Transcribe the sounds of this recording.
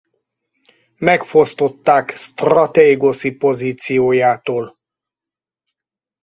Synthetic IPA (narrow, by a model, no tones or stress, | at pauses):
mɛkfo̞st̪o̞t̪ːaːkst̪rɒt̪eːɡosipo̞ziːt̪sijoːjaːt̪oːl